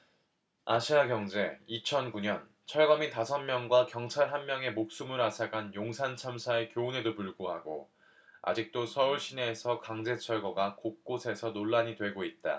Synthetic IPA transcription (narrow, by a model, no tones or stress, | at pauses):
aɕʰiaɡjʌŋd͡ʑe̞it͡ɕʰʌnkuɲʌn | t͡ɕʰʌɭɡʌmitasʰʌnmjʌŋɡwakjʌŋt͡ɕʰaɭɦanmjʌŋe̞mok̚s͈umɯɾasʰaɡanjoŋsʰant͡ɕʰamsʰaekjoune̞dopuɭɡoɦaɡo̰ | a̰d͡ʑik̚t͈osʰʌuɭɕ͈ʰine̞ːsʰʌkaŋd͡ʑe̞t͡ɕʰʌɭɡʌɡakok̚k͈osʰe̞sʰʌnoɭːaɲidwe̞ɡoit̚t͈a̰